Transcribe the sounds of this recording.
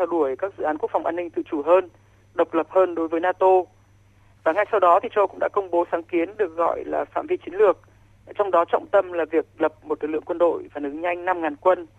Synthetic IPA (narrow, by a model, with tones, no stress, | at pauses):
a˧wɗu˧˩əjkaː˦˥k̚zɨ̰˧˨aː˨˦nku˦˥kfa˨˩wʔaː˧nːï˧ŋ̟t̪ɨ̰˧˨t͡ɕu˧˩ɦəː˧n | ɗə˨˩wk͡p̚lə˨˩p̚həː˧nɗo˨˦jvəː˨˦jnaː˧t̪o˧ | vaː˨˩ŋa˧jsa˧wɗɔ˨˦t̪ʰi˨˩t͡ɕə˧wkʊ̰˧˥ŋ͡mɗa̰ː˧˥kə˧wŋ͡mɓo˨˦saː˨˦ŋki˨˦ənɗɨ˨˩ək̚ɣɔ̰˧˨jlaː˨˩fa̰ː˧˨mvi˧t͡ɕi˨˦ŋ̟lɨ˨˩ək̚ | t͡ɕɔ˧wŋ͡mɗɔ˨˦t͡ɕɔ̰˧˨wŋ͡mt̪ə˧mlaː˨˩vi˨˩ək̚lə˨˩p̚mo˨˩t̚lɨ˨k̚lɨ̰˧˨əkwə˧nɗo̰˧˨jvaː˨˩lɨ˨˦ɲa˧jŋ̟na˧mŋaː˨˩nkwə˧n